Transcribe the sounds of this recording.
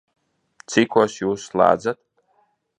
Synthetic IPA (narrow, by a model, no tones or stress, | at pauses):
t̪sikuɔsjuːsːlˠa̰ːd̪zat̪